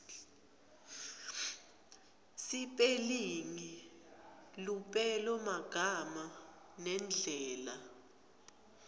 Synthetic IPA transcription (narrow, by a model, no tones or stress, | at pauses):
sipʼeliŋi | lupʼɛlɔmaɡ̥ʱama | nɛnd͡ɮʱɛːla